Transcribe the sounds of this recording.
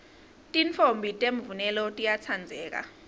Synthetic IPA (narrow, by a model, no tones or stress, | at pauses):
tʼint͡fʰombʱitʼemvunɛlɔtʼijat͡sʰand͡zʱɛːk̬a̰